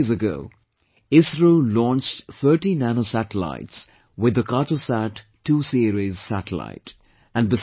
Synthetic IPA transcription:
zəɡo̰ʊ | ɪsɹolɔ̃nt͡ʃtθʰəːʈinænoʊsæʈəla̰ɪts | wɪd̪əkʰɑʈəsæʈʰː | uːsiɾizsæɾəla̰ɪt | æ̃nbɪ

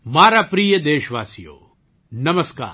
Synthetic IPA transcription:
maːɾapɾiːjəd̪eːʃʋaːsijo̰ː | nɐməska̰ː

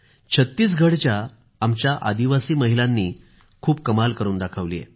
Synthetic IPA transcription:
t͡ɕʰət̪ːiːs̬ɡʱəɽt͡ɕja | amt͡ɕjaʔa̰d̪iʋasiːməɦilanːiː | kʰuːbkəmalkəɾuːnd̪akʰəʋlḭjḛ

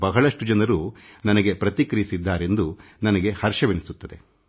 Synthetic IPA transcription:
bɐɦɐɭɐʂʈud͡ʒɐnɐɾunɐnɐɡe̞pɾɐt̪ikɐɾisid̪ːaːɾe̞nd̪unɐnɐɡe̞hɐɾʃɐʋenisut̪ːɐd̪e

